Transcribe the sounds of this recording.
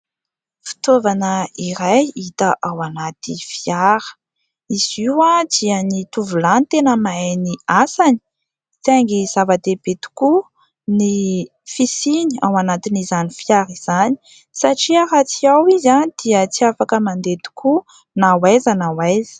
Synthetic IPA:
fi̥t̪ovanəiɾajit̪əʔawanat̪ifiaɾə̥ | iz̥iwad̪iənit̪uvulanit̪enəmajniasani̥ | t̪aŋɡizavad̪ebet̪u̥ku | ni | fisinia̰wanat̪inizanifiaɾiz̥ani̥ | saʈ͡ʂiaɾat͡siawizand̪̥iət͡siafakəmand̪et̪u̥kʰu | nawajzanawajzi̥

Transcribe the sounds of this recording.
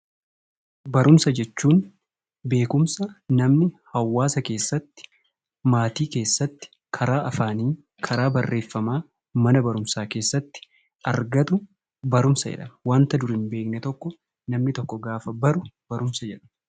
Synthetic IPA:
bɐɾʊmsɐd͡ʒɛt͡ʃːuːn | be̞ːkʊmsɐnɐmnɪhɐwːaːsɐke̞ːsːɐt̪ːɪ̥ | maːt̪iːke̞ːsːɐt̪ːɪ̥ | kʰɐɾaːʔɐfaːniː | kʰɐɾaːbɐrːe̞ːfːɐmaː | mɐnɐbɐɾʊmsaːke̞ːsːɐt̪ːɪ̥ | ʔɐɾɡɐt̪ʊ | bɐɾʊmsɐd͡ʒɛ̰ᶑɐmwaːnt̪ɐd̪ʊɾɪmbe̞ːknɛt̪ɔkːɔ | nɐmnɪt̪ɔkːɔɡaːfɐbɐɾʊb̥ɐɾʊmsɐd͡ʒɛᶑɐ̥m

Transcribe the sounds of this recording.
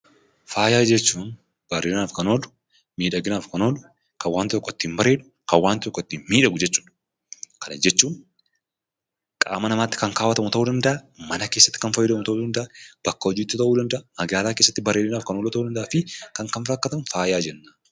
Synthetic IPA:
faːjaːd͡ʒɛt͡ʃːuːn | b̥ɐreːnaːfkɐnoːlʊ̥ | miːᶑɐɡɪnaːfkɐnoːlʊ | kɐwaːnt̪ɪt̪ɔkːɔɪt̪ːɪmbɐɾeːᶑʊ̥ | kɐwaːnt̪ɪt̪ɔkːɔt̪ːɪmiːᶑɐɡʊd͡ʒɛt͡ʃːuːᶑ | kʰɐnɐ̰d͡ʒɛt͡ʃːuːn | kʼa̰ːmɐnɐmaːt̪ːɪ̥kɐŋkaːwɐt̪ɐmʊt̪ɐʔuːd̪ɐnd̪ɐʔɐmɐnɐke̞ːsːɐt̪ːɪ̥kɐnfɐjɪd̪ɐmʊt̪ɐuːd̪ɐnd̪ɐʔab̥ɐkːɐɔd͡ʒiːt̪ːɪt̪ɐʔuːd̪ɐnd̪ɐʔaɐɡaːlaːkeːsːɐt̪ːɪbɐɾeɪnaːfkɐnoːlɔt̪ɐuːɐnd̪ɐʔaːfɪkɐŋkɐnfɾɐkːɐt̪ɐmfaːjaːd͡ʒɛnːaː

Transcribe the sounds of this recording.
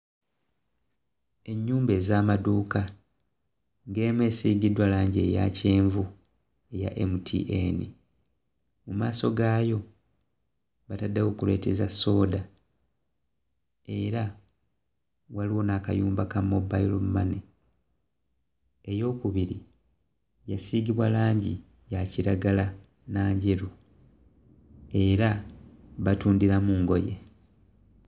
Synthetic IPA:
e̞ɲːuːmbe̞ːzaːmaduːka | ŋɡe̞ːmwe̞ːsiːɡidwalaːɲɟe̞ja̰ceːɱvu | e̞ja̰ʔe̞̰mutʰḭʔenḭ | mumaːso̞ɡaːjo̞ | βatadːawo̞kule̞̰ːtezasːo̞ːda | e̞ɾa | waliwo̞nakajuːmbakamːobailomumane | ejo̞ːkuβiɾi | jasiːɡiβwalaːɲɟḭ | jaciɾaɡala | naːɲɟeɾu | e̞ɾaβatuːndiɾamuːŋɡo̞je̞̰

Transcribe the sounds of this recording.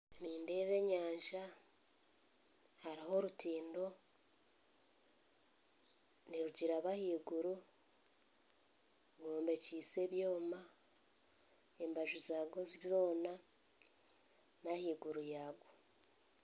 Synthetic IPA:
niːnde̞ːβe̞ɲaːɲʒa | haɾiɦo̞ɾutʰiːndo̞ | niɾuɟiɾaβahiːɡuɾu | ɡoːmbe̞ciːse̞βjo̞ːma | embaʒuzaːɡoβjo̞ːna | nahiːɡuɾujaːɡo

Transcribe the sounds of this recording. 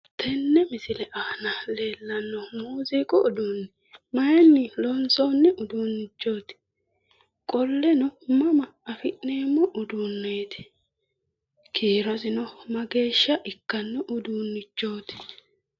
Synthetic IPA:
t̪ʰɛnːɛmɪsɪlɛʔaːnɐle̞ːlːɐnːɔmuːziːkʼɔʔʊd̪unːɛ | mɐjɛnːɪlɔnsoːnːɛʔʊd̪unːɪt͡ʃːo̞ːt̪ɪ̥ | kʼɔlːɛnɔmɐmɐɐfɪʔneːmːɔʔʊd̪unːeːt̪ɪ̥ | kʰiːɾɔzɪnɔmɐɡe̞ːʃːɐʔɪkːɐnːɛʔʊd̪uːnːɪt͡ʃːo̞ːt̪ɪ̥

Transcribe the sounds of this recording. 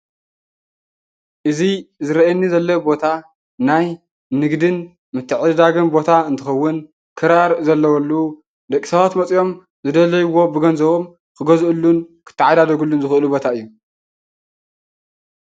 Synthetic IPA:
ʔɨzizɨɾɐʔenːizɐlːɐbo̞t̪ʰa | naj | nɨɡd̪ɨn | mɨt̪ʰːɨʕɨd̪d̪aɡɨnbo̞t̪ʰaɨnt̪ʰɨxɐwːɨn | kʰɨɾaɾzɐlːɐwɐlːu | d̪ɐkʼisɐβat̪mɐt͡sʼjo̞m | zɨd̪ɐlɐjuwːobɨɡɐnzɐβo̞m | kʰɨɡɐzʔɨlːunkʰɨ̥t̪ʰːɨʕad̪ad̪ɐɡulːunzɨxɨʔɨlubo̞t̪ʰaɨjːu

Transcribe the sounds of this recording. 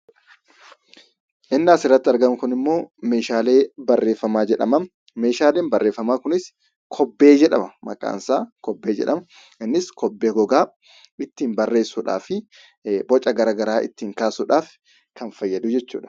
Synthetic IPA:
ʔɪnːaːsɪrːɐt̪ːɪɐɾɡɐmɪkʊnɪmːo̞ːme̞ːʃaːle̞ːbɐrːe̞ːfːɐmaːd͡ʒɛᶑɐ̰mɐn | me̞ːʃaːleːnbɐrːe̞ːfːɐmaːkʊnɪs | kʰɔbːe̞ːd͡ʒɛᶑɐmɐmɐ̰kʼa̰ːnsaːkɔbːe̞ːd͡ʒɛ̰ᶑɐmɐ | ɛnːɪskɔbːeːɡɔɡaː | ɪt̪ːiːnbɐrːe̞ːsːuːᶑa̰ːfɪ | bɔt͡ʃʼɐɡɐɾaːɡɐɾaːʔɪ̰t̪ːiːŋkaːsuːᶑaːf | kɐnfɐjːɐd̪ud͡ʒɛt͡ʃːṵːᶑɐ̥

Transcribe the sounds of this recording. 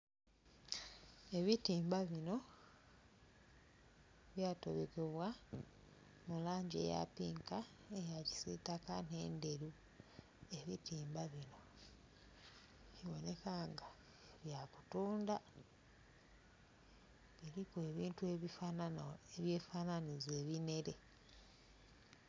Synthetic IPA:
e̞βitiːmbaβino̞ | βjaːto̞βekeβwa | mulaːɲɟḛja̰piːŋka | ejaci̥sitakane̞ːnde̞ɾu | e̞βḭtiːmbaβino̞ | βiwo̞ne̞kaːŋɡa | eβjakutuːnda | βiɾikue̞βiːntueβianeβje̞fananize̞ːβine̞ɾe̞̰

